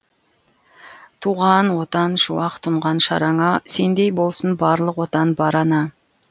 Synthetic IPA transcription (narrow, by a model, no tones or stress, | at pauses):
t̪ʰuʁɑnwo̞t̪ɑnʃuwɑqt̪ʰʊɴʁɑnʃɑ̰ɾɑŋɑse̞nd̪e̞jbo̞lˠsənbɑɾlˠəqwo̞t̪ɑnbɑɾɑnɑ